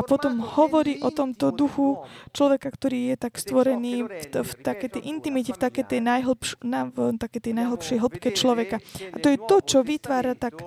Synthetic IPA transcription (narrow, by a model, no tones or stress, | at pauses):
apɔt̪ɔmhɔʋɔɾiːʔɔt̪ɔmt̪ɔd̪uxut͡ʃlɔʋɛkakt̪ɔɾiːjɛt̪akst̪ʋɔɾɛniːft̪akɛjt̪ɛjʔint̪imicɛft̪akɛjt̪ɛjnajɦl̩pʃnat̪akɛjt̪ɛjnajɦl̩pʃɛjɦl̩pkɛt͡ʃlɔʋɛkaat̪ɔjɛt̪ɔt͡ʃɔʋit̪ʋaːɾat̪ak